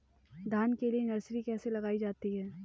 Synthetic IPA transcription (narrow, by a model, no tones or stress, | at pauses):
d̪ʱaːnkelienɐɾsɾikɛːselɐɡaːid͡ʒaːt̪iɦɛː